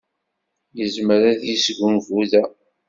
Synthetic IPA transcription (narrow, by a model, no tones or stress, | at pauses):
jəzməɾæðjisɡʷumvuðæ